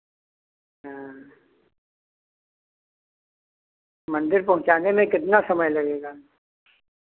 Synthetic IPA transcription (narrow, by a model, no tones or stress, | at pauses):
ɦã | mɐ̃nd̪ɪɾpɐɦʊ̃t͡ʃaːnemẽkɪt̪nasɐməjlɐɡeːɡa